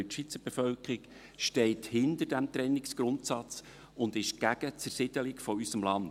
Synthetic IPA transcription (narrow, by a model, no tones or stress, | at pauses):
ʃʋit͡səb̥efœlkɾik | ʃtɛɪthɪndəɾdæmt̪ɾɛnːɪksɡ̥ɾʊntsɑt͡s | ʊnd̪ɪʃɡ̥æɡət͡sərsɪd̥əlɪkfɔysəmlɑn